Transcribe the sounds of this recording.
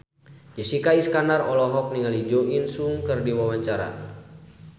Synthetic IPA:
d͡ʒəsikaiskanarɔlɔɦɔk̚niŋalid͡ʒɔʔinsuŋkərdiwawaɲt͡ʃaɾa̰

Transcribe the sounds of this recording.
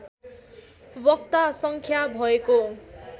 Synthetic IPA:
bʌk̚t̪asʌŋkʰjabʱʌeko

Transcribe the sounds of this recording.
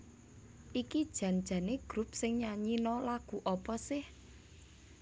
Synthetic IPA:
ʔikid̥ʒ̥ä̤nd̥ʒ̥a̤neɡ̥ɾup̚sɪŋɲaɲinɔlaɡ̥ṳʔɔpɔsɪh

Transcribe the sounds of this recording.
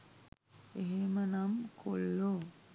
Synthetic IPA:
eɦemənamkʰolːo

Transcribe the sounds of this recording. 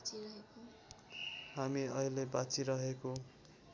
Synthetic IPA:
t͡siɾʌɦeko | ɦamiʌilebat͡siɾʌɦeko

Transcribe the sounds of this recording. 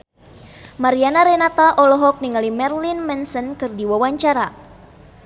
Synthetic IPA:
maɾianaɾɛnat̪aʔɔlɔɦɔk̚niŋalimɛrlinmɛnsɔnkɨrdiwawaɲt͡ʃaɾa

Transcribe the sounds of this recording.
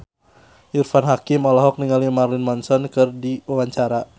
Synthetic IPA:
ʔirfanɦakimɔlɔɦɔk̚niŋalimarlinmɔnsɔnkɨrdiawaɲt͡ʃaɾa

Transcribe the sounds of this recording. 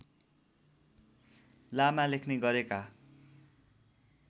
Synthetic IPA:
lamalekʰneɡʌɾeka

